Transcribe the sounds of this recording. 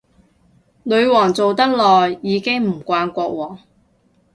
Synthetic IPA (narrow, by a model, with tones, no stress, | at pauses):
lɵ˨˧ɥwɔː˨˩ŋt͡so˨wt̪ɐ˥k̚lɔː˨jːiː˨˧kɪ˥ŋm̩˨˩kʷaː˧nkʷɔː˧k̚wɔː˨˩ŋ